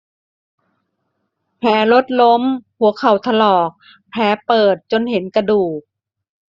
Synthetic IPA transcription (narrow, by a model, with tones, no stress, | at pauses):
pʰɛː˨˩˦lo˦˥t̪̚lo˧˥mpʰu˨˩˦əkʰa˨˩wt̪ʰa˧lɔː˨˩k̚ | pʰɛː˨˧˦pɤː˨˩t̪̚t͡ɕo˧nhe˨˩˦nka˧duː˨˩k̚